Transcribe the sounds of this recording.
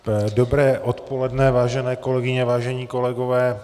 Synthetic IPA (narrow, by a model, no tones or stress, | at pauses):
dobɾɛːʔot̪po̞lɛdnɛvaːʒɛnɛːko̞lɛɡɪɲɛvaːʒɛɲiːko̞lɛɡovɛː